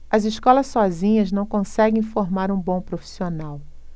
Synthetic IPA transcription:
ɐziʃkɔlɐssɔzĩɲɐznɐ̃w̃kõsɛɡẽj̃foɾmaɾũbõpɾofi̥sionaw

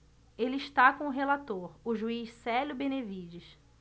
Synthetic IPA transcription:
elɪiʃt̪akõʊɦelat̪oɾʊʒuiʃsɛljʊbenevid͡ʒɪʃ

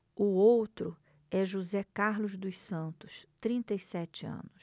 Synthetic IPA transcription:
ʊowt̪ɾʊ | ɛʒuzɛkaɾlʊzd̪ʊsɐ̃nt̪ʊst̪ɾĩnt̪ejsɛt͡ʃɪɐ̰̃nʊs

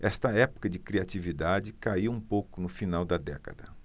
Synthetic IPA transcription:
ɛst̪ɐɛpʊ̥kɐd͡ʒɪkɾiat͡ʃivid̪ad͡ʒɪkaiwũpowkʊnʊfinawd̪ɐd̪ɛ̰kɐ̰d̪ɐ

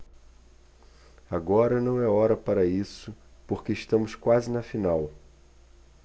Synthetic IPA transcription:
aɡɔɾɐnɐ̃w̃ɛɔɾɐpaɾɐisʊpoɾkeɪʃt̪ɐ̃mʊskwazɪnɐfinaw

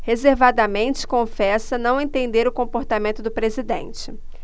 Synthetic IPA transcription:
hezeɾvad̪ɐmẽnt͡ʃɪ̥kõfɛsɐnɐ̃w̃ẽt̪ẽnd̪eɾʊkõpoɾt̪amẽnt̪ʊd̪ʊpɾezid̪ḛ̃nt͡ʃɪ

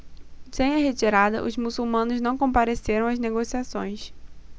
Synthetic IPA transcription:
sẽj̃ɐɦet͡ʃiɾad̪ɐ̰ʔʊzmusuwmɐ̃nʊznɐ̃w̃kõpaɾeseɾɐ̃w̃ɐzneɡosiasõ̰j̃s

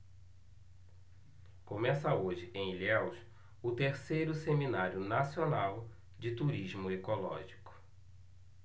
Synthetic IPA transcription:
kõmɛsɐoʒɪʔẽj̃lɛws | ʊt̪eɾsejɾʊseminaɾjʊnasionaw | d͡ʒɪt̪uɾizmʊekolɔ̰ʒikʊ̥

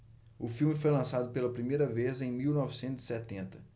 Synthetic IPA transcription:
ʊfiwmɪfojlɐ̃sad̪ʊpelɐpɾimejɾɐvezẽj̃miwnɔvisẽnt̪ʊzi̥sɛt̪ẽnt̪ɐ̥

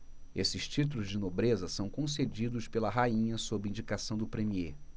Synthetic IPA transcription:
esɪʃt͡ʃit̪uluzd͡ʒɪnobɾezɐsɐ̃w̃kõsed͡ʒid̪ʊspelɐɦaĩɲɐsobɾɪĩɲd͡ʒikasɐ̃w̃d̪ʊpɾemie

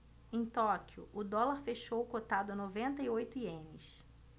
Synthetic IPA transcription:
ẽj̃t̪ɔkiʊʊd̪ɔlaɾfeʃowkot̪ad̪ʊɐnovẽnt̪ɐiojt̪ʊiẽmɪs

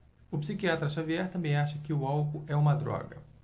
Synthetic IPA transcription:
ʊpsikiat̪ɾɐʃaviɛɾt̪ɐ̃mbẽj̃aʃɐkɪʊawkʊʔɛũmɐd̪ɾɔ̰ɡɐ̰

